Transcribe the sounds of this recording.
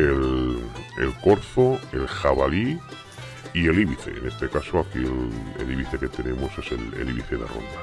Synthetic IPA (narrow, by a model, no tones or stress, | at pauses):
el | ḛlko̞ɾθoe̞lxaβali | ie̞liβiθe̞̰ḛne̞st̪e̞kasoakielḛliβiθe̞ke̞t̪e̞nẽ̞mo̞se̞se̞̰lḛliβiθeða̰ro̰nd̪a